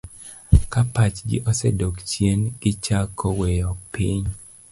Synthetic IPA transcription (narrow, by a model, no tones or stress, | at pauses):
kapat͡ʃɡɪ̰ʔɔsɛdokt͡ʃjenɡ̥ɪt͡ʃakʰɔwejɔpiɲ